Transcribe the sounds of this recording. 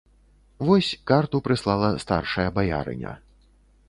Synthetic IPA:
vɔsʲkart̪upɾɨslˠalˠɐst̪a̰rʂɐjɐbaja̰ɾɨ̰nʲɐ̰

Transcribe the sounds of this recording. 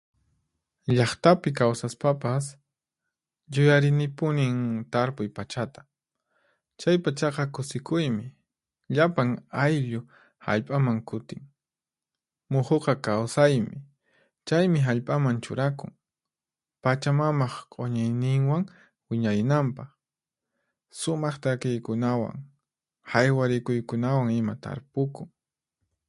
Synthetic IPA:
ʎɑχt̪apɪk̬awsaspapas | jʊjaɾɪnɪpʊnɪŋt̪aɾpʊjpat͡ʃat̪ḁ | t͡ʃajpat͡ʃɑqɑkʊsɪkʊjmɪ | ʎapaŋajʎʊ | ha̰ʎpʼamaŋkʊt̪ɪŋ | mʊχoqɑkawsajmɪ | t͡ʃajmɪɦaʎpʼamant͡ʃʊ̰ɾakʊ̰ŋ | pat͡ʃamamɑχqʼoɲajnɪŋwaŋ | wɪɲaɾɪnampɑχ | sʊmɑχt̪akɪjkʊnawa̰ŋ | hajwaɾɪkʊjkʊnawaŋɪmat̪a̰ɾpʊkʊŋ

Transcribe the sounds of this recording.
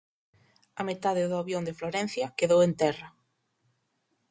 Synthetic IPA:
ɐmet̪aðeðʊaβjond̪efloɾɛn̟θjɐkeðowent̪ɛrɐ

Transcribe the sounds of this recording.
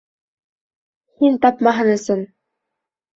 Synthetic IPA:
hint̪ɑpmɑɦɤ̆nɘ̆sɤn

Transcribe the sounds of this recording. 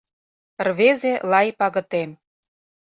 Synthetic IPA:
rβezelɑjpɑɣɤ̆t̪em

